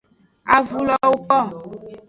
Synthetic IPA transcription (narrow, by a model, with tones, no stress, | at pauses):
a˨vu˨lɔ˨wo˦kɔ˦˨